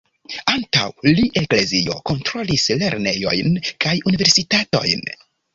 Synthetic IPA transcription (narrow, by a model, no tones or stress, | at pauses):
anta̰wliʔe̞kle̞zio̞̰ko̞ntɾo̞lisle̞ɾne̞jo̞̰jnkajunive̞ɾsitato̞̰jn